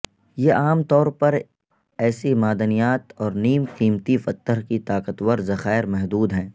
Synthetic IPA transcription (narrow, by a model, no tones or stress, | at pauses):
jeʔaːmt̪ɔːɾpɐɾ | ɛːsemaːd̪ənijaːt̪ɔːɾniːmqiːmt̪ifɐt̪ːəɾkit̪aːqət̪wəɾzɐxaːɪɾmɛɦd̪uːd̪ɦɛ̃ː